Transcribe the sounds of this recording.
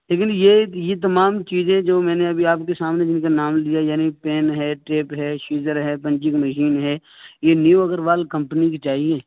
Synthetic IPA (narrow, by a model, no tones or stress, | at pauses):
leːk̬ɪnjejet̪̬ɐmaːmt͡ʃiːzẽd͡ʒoːmɛ̃ːneɐbʱiaːpkesaːmned͡ʒɪnkanaːmlijajaːnipɛːnɦɛːʈeːpɦɛːʃuːd͡ʒəɾɦɛːpə̃ɲt͡ʃɪkməʃiːnɦɛːjeːnjiuəɡəɾʋaːlkə̃mpniket͡ʃaːɦieː